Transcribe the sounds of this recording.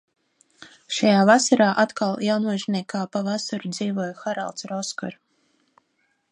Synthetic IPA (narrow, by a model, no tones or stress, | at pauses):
ʃajaːvasaɾaːʔat̪kalˠjawnuɔʒnʲiɛkaːpavasaɾud̪ziːvuɔjxaɾa̰lˠt̪sɾɔskɔ̰ɾ